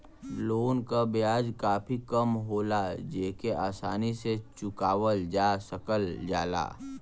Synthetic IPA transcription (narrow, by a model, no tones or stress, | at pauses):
loːnkabjaːd͡ʒkaːpʰikəmɦoːlad͡ʒeːkeʔaːsaːniset͡ʃʊkaːwəld͡ʒaːsəkəld͡ʒa̰ːla̰ː